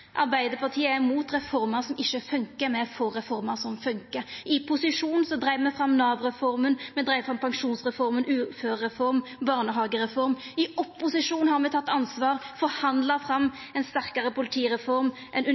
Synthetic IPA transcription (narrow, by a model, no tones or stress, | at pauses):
ʔɑɾbæɪd̪əpʰɑʁt̪ʰiːəɛmuːt̪ʁɛfɔʁmɑʁsɔmʔɪʃːəfʉŋkəmɛfɔʁɛfɔɾmɑʁsɔmfʉŋkəɪpʰʊsɪʂuːnn̩sɔd̪ɾæɪʋəmɛfɾɑmnɑːʋʁɛfɔʁmənmɛd̪ɾæɪəfʁɑmpʰɑŋʂuːnsʁɛfɔɾmənʔʉːføːɛfɔɾmbɑːʁnəɦɑːɡəʁɛfɔɾmɪɔpːʊsɪʂuːnhɑɾmɛt̪ɑt̪ːɑnsʋɑːʁfɔhɑnd̪ləfɾɑmː | ɛɪnst̪æʁkɑʁəpʰʊlɪt̪ʰiːʁɛfɔɾm | ʔɛnʉ